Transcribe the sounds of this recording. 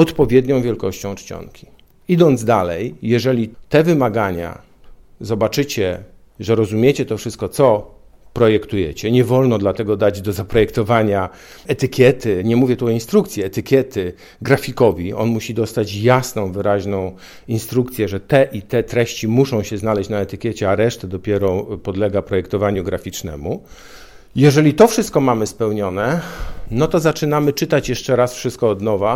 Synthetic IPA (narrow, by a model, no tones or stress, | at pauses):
ɔt̪pɔvʲjɛd̪ɲɔ̃w̃vʲjɛlkɔɕt͡ɕɔ̃w̃t͡ʂt͡ɕɔ̰ŋkʲi̥ | id̪ɔnd̪zd̪alɛjːɛʐɛlʲit̪ɛvɘmaɡaɲa̰ | zɔbat͡ʂɘt͡ɕɛ | ʐɛɾɔzumʲjet͡ɕɛt̪ɔfʂɘst̪̚kɔt̪sɔ | pɾɔjɛkt̪ujɛ̰t͡ɕɛɲɛvɔlnɔd̪lat̪ɛɡɔd̪ad͡ʑd̪ɔzapɾɔjɛkt̪ɔvaɲa | ɛt̪ɘkʲjɛt̪ɘɲɛmuvʲjɛt̪uɔinst̪ɾukt̪sʲjɛɛt̪ɘkʲjɛt̪ɘ | ɡɾafʲikɔvʲiɔ̰nmuɕid̪ɔst̪at͡ɕjasnɔ̃w̃vɘɾaʑnɔ̃w̃ | inst̪ɾukt̪sʲjɛʐɛt̪ɛʔit̪ɛt̪ɾɛɕt͡ɕimuʂɔ̃w̃ɕɛznalɛɕt͡ɕnaɛt̪ɘkʲjɛt͡ɕɛaɾɛʂt̪ɛd̪ɔpʲjɛɾɔpɔd̪lɛɡapɾɔjɛkt̪ɔvaɲuɡɾafʲit͡ʂnɛ̰mu | jɛʐɛlʲit̪ɔfʂɘst̪̚kɔmamɘspɛwɲɔnɛnɔt̪ɔzat͡ʂɘnamɘt͡ʂɘt̪at͡ɕjɛʂt͡ʂɛɾasfʂɘst̪̚kɔɔd̪nɔva